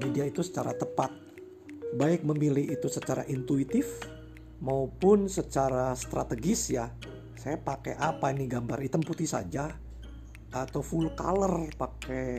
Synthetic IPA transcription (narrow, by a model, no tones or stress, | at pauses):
mediait̪usə̥t͡ʃaɾat̪əpat̪̚ | baɪk̚məmilɪɦit̪usət͡ʃaɾa̰ʔint̪uit̪ɪf | maupʊnsət͡ʃaɾast̪ɾat̪əɡɪsja | sajapakeʔapainiɡambaɾit̪əmput̪isa̰d͡ʒa | ʔat̪afulka̰lərpake